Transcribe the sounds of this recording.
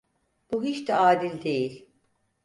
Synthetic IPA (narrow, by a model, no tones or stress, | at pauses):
b̥uɦiʃt̪ɛaːd̪ilʲd̪e̞jilʲ